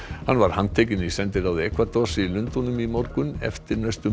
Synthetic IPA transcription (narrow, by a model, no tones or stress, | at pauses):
hanːvaɾ̥hanːt̪ʰeːcɪnisɛnt̪ɪɾawðɛkʰvat̪ɔsɪilʏnt̪ɔnʏmimɔɾkʏnɛ̰ft̪ɪɾnœst̪ʏ